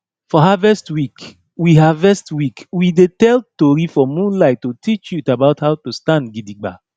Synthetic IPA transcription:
fɔɦavɛstwik | wiɦavɛstwikwidetɛltoɹifɔmũnlaɪtːotit͡ʃjutabaʊthaʊtustãndɡidiɡ͡ba̰

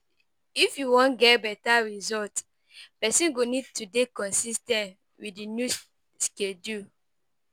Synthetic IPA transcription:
ifjuwɔ̃nɡɛt̚bɛtaɹizɔlt | pɛsĩnɡonid̚tudekɔ̃nsistɛ̃nt | widinju | skedu

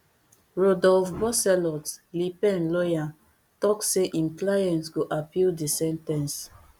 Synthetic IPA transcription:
ɹodɔlfbɔsɛlɔtlipɛ̃nlɔjã | tɔkseʔĩnklajɛ̃ntɡoʔapildisɛ̃ntɛ̃ns

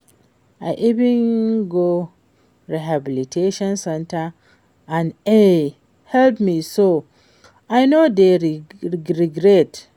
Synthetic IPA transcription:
aɪʔivĩnɡo | ɹiɦabilitʰeʃɔ̃nsɛ̃ntʰa | ãne | hɛlpmiso | aɪnodeɾiɹiɡɹɛt

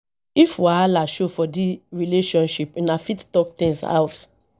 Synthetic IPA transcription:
ifwaalaʃofɔdiɹileʃɔ̃nʃipinafittɔk̚t̪ĩŋsa̰ʊt

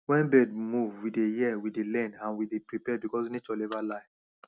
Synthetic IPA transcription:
wɛ̃nbɛd̚muvwidejiɛwidelɛ̃ndãnwidepɹipɛbikɔswinet͡ʃɔlɛvalaɪ

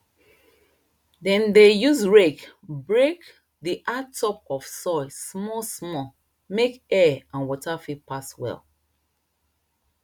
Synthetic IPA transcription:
dɛ̃ndejuzɹekbɹek | diʔatʰːɔp̚ɔfsɔɪsmɔsmɔ | mekɛãnwɔtafipaswɛ̰l

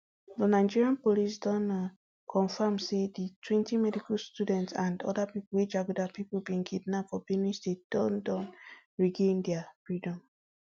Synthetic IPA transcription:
dənaɪd͡ʒiɹiãnpolis̬dɔ̃n | kʰɔ̃nfamseditʰwĩntimɛdikalstudɛ̃ntsãndɔ̰dapipulwed͡ʒaɡudapipulbĩŋɡidnafɔbinisded̥ɔ̃ndɔ̃n | ɹiɡẽndɛafɹidɔ̃m

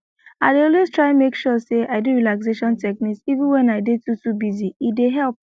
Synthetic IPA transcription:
aɪdeɔlweztɹaɪmekʃɔseʔaɪduɹilaks̬eʃɔ̃ntɛkniksivɪ̃nwɛ̃naɪdetutubiziideɦɛlp̚

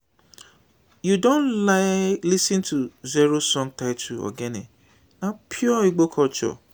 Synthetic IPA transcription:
judõnlaɪlisĩntʰuzeɾosɔ̃ŋtaɪtʰuɔ̰ɡɛnḛ | apʰjɔiɡ͡bokʰɔt͡ʃɔ̰

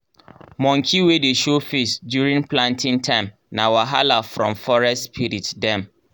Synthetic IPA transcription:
mɔ̃ŋkʰiwedeʃofesdjuɾĩŋpʰlãntʰɪ̃ŋtʰãɪ̃m | nãwaɦalafɾɔ̃mfɔɹɛstspʰiɾitdɛ̃m

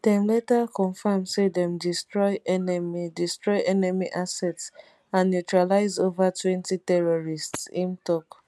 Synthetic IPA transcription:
dɛ̃mlɛtakɔ̃nfamsedɛ̃mdistɹɔɪnmidistɹɔɪʔɛnɛmiʔasɛts | ãnːjutɹalaɪzovatwɛ̃ntitɛɹɔɹistsĩntɔk

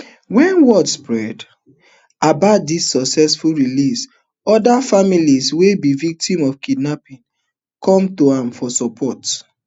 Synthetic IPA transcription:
wɛ̃nwɔdspɹɛd | abaʊt̚disːɔksɛsfulɹilis | ɔdafamiliswebivik̚tĩmɔfkidnapĩn | kʰɔ̃mtoãmfɔsɔpʰɔt

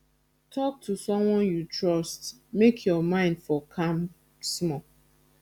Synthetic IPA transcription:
tʰɔk̚tʰusɔ̃mwɔ̃njutɹɔst | mekʰjɔmãɪ̃ndfɔkʰãm | smɔ

